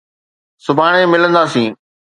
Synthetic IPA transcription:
sʊbʱaːɽ̃emɪlə̃nd̪aːsĩː

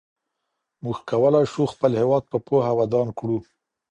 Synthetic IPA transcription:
muɡkawəlɑjʃuxpəlhɪwɑd̪̚pəpoɦawad̪ɑnkɽu

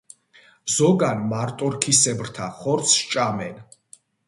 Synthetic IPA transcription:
zɔɡanmaɾt̪ʼɔɾkʰisɛbɾt̪ʰaχɔɾt̪sʰʃt͡ʃʼamɛn

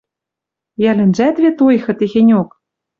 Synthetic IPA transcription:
jælʲɘ̆nd͡ʑæt̪βʲet̪ojxɤ̆t̪eɣʲenʲok

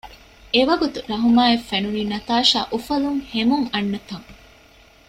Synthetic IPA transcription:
eʋɐɡut̪uɾɐɦumaːefːenuniːnɐt̪aːʃa̰ːʔufɐluŋhemuŋɐnːɐt̪ɐŋ

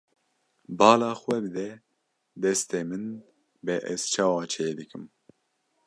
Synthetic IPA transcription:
bɑːlɑːxwɛbɨd̪ɛ | d̪ɛst̪eːmɨn | bɛʔɛz̥t͡ʃʰɑːwɑːt͡ʃʰeːd̪ɨkʰɨm

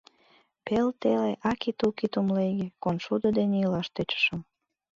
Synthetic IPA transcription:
pelt̪eleʔɑkit̪ukit̪umlejɡekonʃud̪od̪eneilɑʃt̪øt͡ɕə̥ʃəm

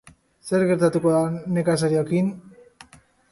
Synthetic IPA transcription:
se̞ɾɣe̞ɾt̪at̪uko̞ðane̞kasaɾio̞kin

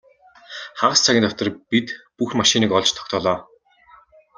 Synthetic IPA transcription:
χaɢə̆st͡sʰaɣʲɪ̆ːnt̪ʰɔt̪ɞ̆rpit̪puxmaʃiniːkɔɮt͡ɕt̪ʰɔ̥kʲt̪ʰɔːɮɔː

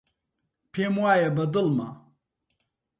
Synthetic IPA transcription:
pʰeːmwaːjɐbɐd̪ɨlma̰

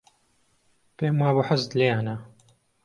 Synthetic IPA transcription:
peːmwaːboːħazd̪lejaːna

